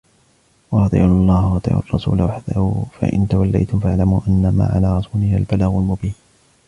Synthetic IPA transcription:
wɑɾˤɑt̪ˤɪ̰ʕʊlˤːɑːhwɑt̪ˤɨ̰ʕʔʊ̰rˤːɑsṵːlawaħd̪aufa̰ʔɪ̰nt̪awalːa̰jt̪ʊmfaʕlamuːʔanːama̰ːʕa̰laːɾˤɑsuːlɪhalbalaɣʊlmʊbiːn

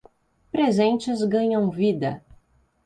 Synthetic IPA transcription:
pɾezẽnt͡ʃɪzɡɐ̃ɲɐ̃w̃vid̪ɐ

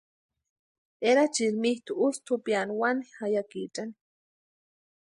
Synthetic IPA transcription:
eɾat͡ʃiɾmiht̪uust̪upjanwanixajakit͡ʃʼani̥

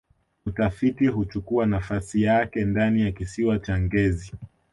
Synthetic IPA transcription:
utafitiɦut͡ʃukuanafasijakɛndanijakisiwat͡ʃaŋɡɛzi

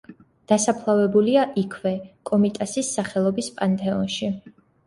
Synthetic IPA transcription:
d̪̥asapʰlˠavɛbuliaʔikʰvɛkʼɔmit̪ʼasisːaχɛlˠɔbispʼant̪ʼɛɔnʃi

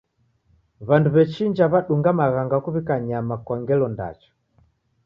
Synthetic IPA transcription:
βanduβɛt͡ʃiɲd͡ʒaβaɗuŋɡamaɣaŋɡakuβikaɲamakwaŋɡɛlɔnda̰t͡ʃɔ̥

